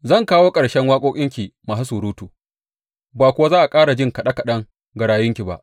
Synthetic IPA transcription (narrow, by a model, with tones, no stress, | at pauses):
zɐ˦˨ŋkaː˦woː˦kʼɐ˨ɽʃɛ˦ŋwaː˦kʷʼoː˦kʲʼɪ˦ŋkʲi˨maː˨su˦suː˨ɾuː˦tu˨ | baː˨kʷʊ˦wa˦zaː˦ʔa˨kʼaː˦ɽa˨d͡ʒɪ˦˨ŋkɐ˨ɗɐ˦kɐ˨ɗɐ˦ŋ | ɡɐ˨ɽaː˨jʊ˦ŋkʲi˨ba̰˦˨ʔ